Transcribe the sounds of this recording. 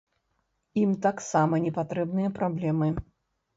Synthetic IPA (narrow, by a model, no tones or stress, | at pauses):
imt̪aksamɐnʲɛpat̪ɾɛbnɨjɐpɾablʲɛmɨ